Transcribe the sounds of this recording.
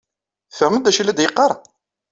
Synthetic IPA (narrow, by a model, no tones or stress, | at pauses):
θəɾməd̪æʃilːæd̪jəqːɑɾˤ